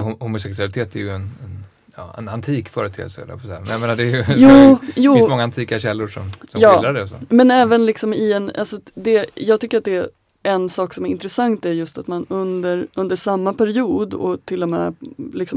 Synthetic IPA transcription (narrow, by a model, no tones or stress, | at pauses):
hhʊmʊsɛksɵalɪt̪ʰeːt̪æɾjɵɛnɛn | jɑ̰ːɛ̰na̰nt̪ʰiːkfœːɾɛt̪ʰḛːəsəɛ̰lɛ̰pʰɔshæ̰ːɾmɛnjameːnad̪ɛɾjɵjuːjuːɪssmɔŋant̪ʰiːkaɕɛlːʊʂɔ̰msɔmjɑːlɾaɖɛɔso̰mɛnɛːvənlɪksɔmɪɛna̰lsɔd̪ɛjɑːɡt̪ʰʏkːəɾat̪d̪ɛː | ɛnsɑːksɔmæɾɪnt̪ɾɛsaŋt̪æɾjɵst̪at̪manɵnd̪əɾɵnd̪əʂamːapʰæɾɪuːd̪ɔ̰t̪ʰɪlːɔmɛ̰ːlɪksɔm